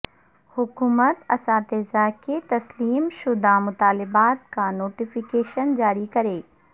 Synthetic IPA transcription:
hʊkuːmət̪ɐsãːt̪eːzaːket̪ɐsliːmʃʊd̪amʊt̪aːlɪbaːt̪kanoːʈifɪkeːʃənd͡ʑaːɾikɐɾeː

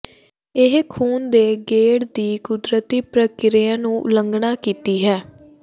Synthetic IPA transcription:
ɪɦkʰuːnd̪eːɡeːɽd̪iːkʊd̪ɾət̪iːpɾəkɪɾeãːnũːləŋɡɳaːkiːt̪iːɦɛː

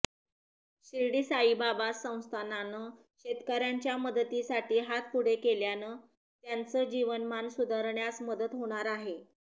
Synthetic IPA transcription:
ɕiɾɽiːsaibabasːə̃w̃st̪ʰananə | ɕet̪kəɾjaɲt͡ɕjaməd̪ət̪isaʈʰiːɦat̪̚kuɽ̤ekeljanəː | t̪jant͡səːd͡ʑiʋənmansud̪ʱaɾɳjasməd̪ət̪ɦoɽ̃aɾaɦe

